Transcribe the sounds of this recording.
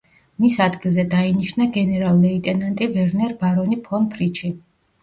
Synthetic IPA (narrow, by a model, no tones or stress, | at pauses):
misad̪ɡilˠzɛd̪ainiʃnaɡɛnɛɾalˠːɛit̪ʼɛnant̪ʼibɛɾnɛɾbaɾɔnipʰɔnpʰɾit͡ʃʰi